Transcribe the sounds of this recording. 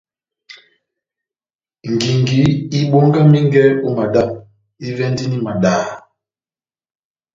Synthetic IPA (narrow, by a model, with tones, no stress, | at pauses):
ŋ̩˨ɡi˨ŋɡi˨˦i˦ɓo˦ŋɡa˦mi˦ŋ˦ɡɛ˦u˦ma˨da˦˨m | i˦vɛ˦ndi˦ni˦ma˨ɗaː˨˦˨